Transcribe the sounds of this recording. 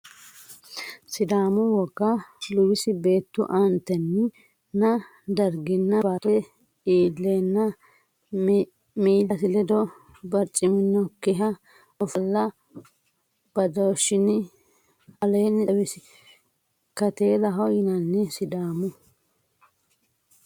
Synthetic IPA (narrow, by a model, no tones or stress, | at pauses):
sɪd̪aːmʊwɔɡːɐlʊwɪsɪbe̞ːt̪ːʊ̰ʔɐnt̪ːɛnːɪ | nɐ | d̪ɐɾɡɪnːɐbaːt̪ɛɛ | iːlːeːnːɐ | miːlɐsɪlɛd̪ɔ | bɐɾt͡ʃʼɪmɪnːɔkːɪɦɐ | ɔfɐlːɐ | b̥ɐd̪ɐʃɪnɪ | ɐlenːɛɐbɪsɪ | kɐt̪eːlɐɦɔjɪnɐnːɛsɪd̪aːmʊ